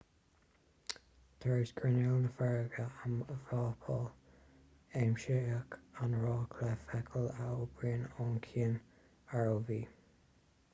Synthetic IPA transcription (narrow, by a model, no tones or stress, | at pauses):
t̪ʰəɹɪsɡ̥ɹɪnɛlnəfɛɹɡəaməvɾɑːpʰɔːl | eːmʃɪəkanɹɑːkʰlɛfɛkʰəlaob̥ɹiːnɔːnkʰiːn | aɹoviː